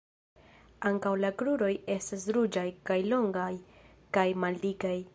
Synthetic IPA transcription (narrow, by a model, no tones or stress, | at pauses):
aŋkawlakɾuɾo̞je̞stas̬ɾud͡ʒajkajlo̞ŋɡaj | kajmaldikaj